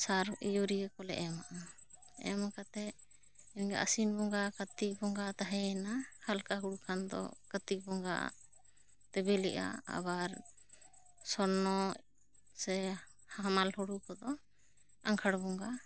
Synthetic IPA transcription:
saɾijoɾiɡɛkɔlɛ̰ʔɛmaʔaɛ̰makat̪ɛ | nɡa̰ʔə̰sinbɔŋɡakət̪ik̚bɔŋɡat̪aɦɛɛnahalkaɦuɽukʰand̪ɔ̰kət̪ik̚bɔŋɡaʔa̰ | t̪ɛbɛlɛʔa̰a̰baɾ | sɔɾnɔ | sɛhaamalhɔɽukɔd̪ɔ | aŋkʰaɽbɔŋɡa

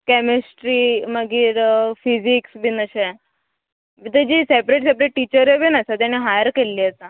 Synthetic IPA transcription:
kɛmesʈɾiːməɡiːɾfid͡ʑiksbinəɕe | ʋit̪əd͡ʑisepɾeʈsep̬ɾeʈ̚ʈːit͡ɕəɾjebinəsat̪̬janiɦajəɾkelːiət͡sa

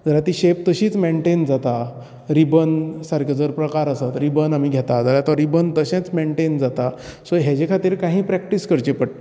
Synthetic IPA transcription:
d͡zəlat̪iːɕept̪əɕiːt͡smeɳʈend͡zat̪a | ɾibənsaɾkʰad͡zəɾpɾəkaɾəsət̪ɾibənamiɡʱɛt̪ad͡zəɾat̪ɔɾɾibənt̪əɕɛ̃t͡smeɳʈend͡zat̪a | soɦɛd͡ʑekʰat̪iːɾkãɦĩːpɾæk̚ʈiskəɾt͡ɕepəɽt̪

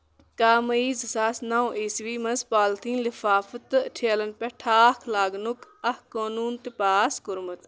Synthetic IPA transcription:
kaːmɐiːzsaːsnaːwʔesʋiːmɐnzpaːlt̪ʰĩːlifaːfət̪ʈʰeːlɐnpɛʈʰaːkʰlaːɡnukɐhkoːnuːnt̪ipaːskʊɾmɐt̪

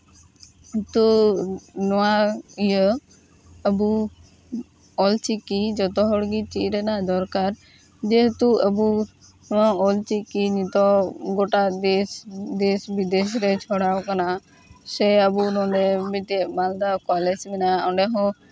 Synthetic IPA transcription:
ɦet̪u | nɔwaijə | əbu | ɔlt͡ʃikid͡ʒɔt̪ɔɦɔɽɡit͡ʃiʔɾɛnad̪ɔɾkaɾ | d͡ʒeɦet̪uəbu | nɔaɔlt͡ʃikiɲit̪ɔɡoʈad̪esd̪esbid̪es̬ɾɛt͡ʃʰɔɽawkana | sɛəbunɔɖɛbit̪ɛbald̪akɔled͡ʒmɛnaɔɳɖɛɦɔ̃

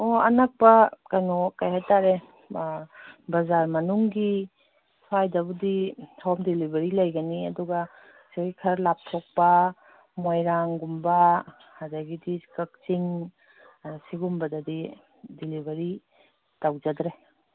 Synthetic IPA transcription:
oɐ̰nɐk̚pɐkɐnokajhajtaɾe | bɐzaɾmɐnuŋɡi | sʰajdɐbudihɔmdilibʱɐɾilɐjɡɐniɐduɡɐ | saɡikʰɐɾlap̚tʰok̚pɐ | mojɾaŋɡumbɐ | hadaɡidikɐk̚t͡ʃiŋ | siɡumbɐdɐdi | dilibʱɐɾi | tawd͡ʒɐdɾe

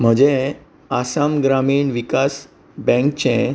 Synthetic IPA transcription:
m̤əd͡ʑe | asamɡɾamiːɳʋikas | bɛ̃ŋkt͡ɕẽ

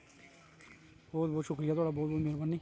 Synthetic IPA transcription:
bɔːt̪̚bɔːt̪ʃʊkɾɪjaːt̪owaːɽaːbɔːt̪̚bɔːt̪meːɾpənːiː

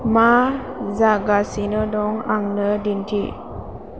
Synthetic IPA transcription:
mazaɡasinədɔŋaŋnədintʰḭ

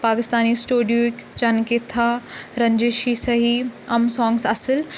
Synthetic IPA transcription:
paːkɪst̪aːnisʈuːɖijoɪkt͡ʃɐnket̪ʰaɾɐ̃ɲd͡ʒeːʃisɐɦiɐmsɔ̃ːŋɡsɐsəl

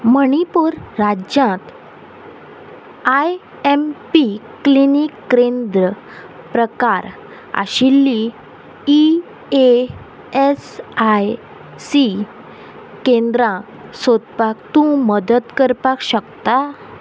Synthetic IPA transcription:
məɳipuɾɾad͡ʑjãt̪ | aj | empiklinikːɾend̪ɾə | pɾəkaɾ | a̰ɕilːiː | e | esaj | si | kẽnd̪ɾã | sod̪pakt̪ũməd̪ət̪kəɾpakɕəkt̪a

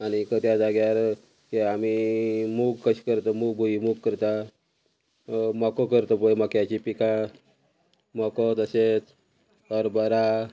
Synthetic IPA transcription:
añikət̪jad͡zaɡjaɾ | keamimuɡkəɕkəɾt̪əmuɡbʱuimuɡkəɾt̪a | mɔkokəɾt̪əpəeməkjat͡ɕipikã | mɔkɔt̪əɕet͡s | ɔɾbəɾa

